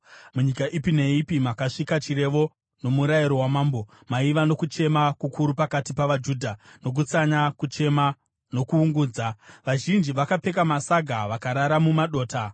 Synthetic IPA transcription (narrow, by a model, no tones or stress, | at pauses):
muɲikaʔipine̞ipimakaʂikat͡ʃiɾe̞ʋo̞ | no̞muɾajiɾo̞wamaːmbo̞ | maiʋano̞kut͡ʃe̞makukʰuɾupakatipaʋad͡ʒuːdʱano̞k̬ut͡saɲakut͡ʃema | no̞kuːŋɡuːd͡zaʋaʒind͡ʒiʋakape̞kamasaɡʱaʋakaɾaɾamumaɗo̞ːta